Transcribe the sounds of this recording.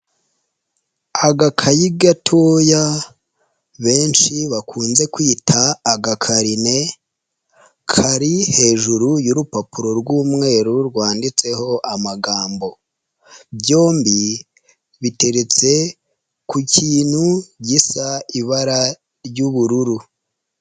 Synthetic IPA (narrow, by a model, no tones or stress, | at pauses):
aɡakʰajiɡatʰoja | βe̞ːnʃiβakʰuːnze̞kwiːtʰaːɡakʰaɾine̞ | kʰaɾihe̞ːʒuɾujuɾupapuɾo̞ɾɡwuːmŋe̞ːɾuɾɡwaːndit͡se̞ho̞ʔamaɡaːmbo̞ | bjo̞ːmbi | βiteɾet͡se̞ | kucʰiːn̥huɟisaiβaɾa | ɾjuβuɾuɾu